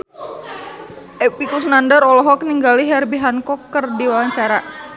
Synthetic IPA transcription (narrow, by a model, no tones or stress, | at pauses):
ʔɛpikusnandəɾɔlɔɦɔk̚niŋɡaliɦɛrbiɦankɔkːərdiwawaɲt͡ʃaɾa